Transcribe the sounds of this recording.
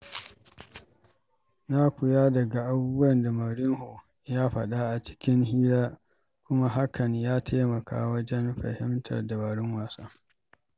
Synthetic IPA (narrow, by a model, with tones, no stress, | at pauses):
na˦kʷʊ˨jaː˦dɐ˨ɡa˨ʔa˨buː˦bu˦ɐ˦˨nda˨mɐ˨ɽɪ˦ŋho˨ | jaː˦ɸɐ̰˨ɗa˦ʔa˨t͡ʃɪ̥˦kʲɪ˦ŋɦiː˦laː˦ | kʷʊ˦ma˦ɦa˦kɐ˨ɲjaː˦tʰaː˦mɐ˨kʰa̰ː˦wɐ˦d͡ʒɛ˦nɸɐ̰˨hɪ˦mtʰɐ̰˨rda˨baː˨ɽɪ˦ŋwaː˨saː˦